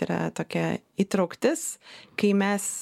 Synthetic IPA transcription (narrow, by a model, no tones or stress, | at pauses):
iɾɐ̰t̪oːkʲɛ | iːt̪ɾɐʊkt̪ʲɪskɐɪmʲɛs